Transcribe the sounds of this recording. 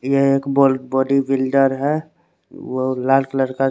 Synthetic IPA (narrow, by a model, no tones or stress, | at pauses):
jeeːkbɔlbɔːɖibɪlɖəɾɦɛ | ʋolaːlkləɽka